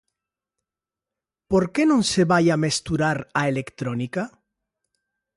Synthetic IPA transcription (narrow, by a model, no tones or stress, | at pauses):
poɾkenõnseβajamest̪uɾaɾaelekt̪ɾonika